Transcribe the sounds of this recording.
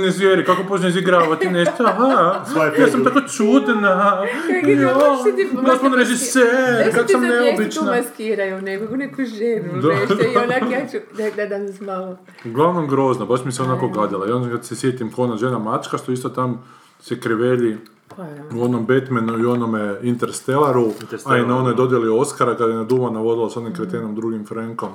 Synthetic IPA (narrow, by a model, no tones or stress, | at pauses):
nezʋjeɾikakopot͡ʃneiziɡɾaːʋat̪ineʃt̪oɦajasamt̪akot͡ʃuːt̪na | jod̪asmonɾeʒisseɾkad̪samneobit͡ʃnaaskiːɾajunekakunekuʒenud̪ad̪aat͡ʃud̪ad̪ad̪ansmalo | ɡlˠaʋnomɡɾo̞znabaʃmiseo̞nako̞ɡad̪ilaionakad̪sesjet̪imkonaʒeːnamat͡ʃkaʃt̪oist̪ot̪am | sekɾiʋeʎi | uo̞nombe̞t̪menuio̞nomeint̪eɾst̪elaɾuainao̞nojd̪o̞d̪jelioskaɾakad̪jenad̪umanaʋo̞zilaso̞nimkɾet̪enomd̪ɾuɡimfɾaŋko̞m